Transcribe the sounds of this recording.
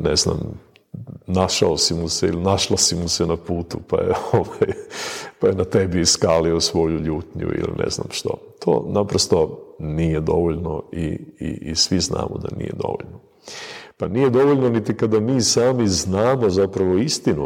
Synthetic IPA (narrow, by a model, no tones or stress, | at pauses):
nezna̰m | naʃaosimuseilinaʃlˠasimusenapuːt̪upa̰jḛoʋajpajenat̪ebiːskaːliosʋo̞juʎuːt̪ɲṵḭlḭnʔḛzna̰mʃt̪o̞̰t̪ʰo̰ːnapɾost̪o̞nijed̪o̞ʋoʎnoḭːʔisʋizna̰ːmo̰d̪a̰nḭje̞̰d̪o̞̰ʋo̰ʎno | panije̞d̪o̞ʋoʎnonit̪ikad̪amiːsaːmiznaːmo̞zapɾaʋo̞ist̪inu